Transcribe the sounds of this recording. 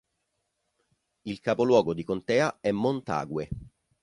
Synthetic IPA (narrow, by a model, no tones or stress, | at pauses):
ilkapolwɔːɡod̪ikont̪ɛːaɛmːont̪a̰ːɡwe